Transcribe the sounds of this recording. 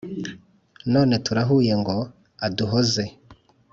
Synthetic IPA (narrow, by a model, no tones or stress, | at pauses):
noːne̞tuɾaɦuːje̞ŋɡo̞ | aduɦoze̞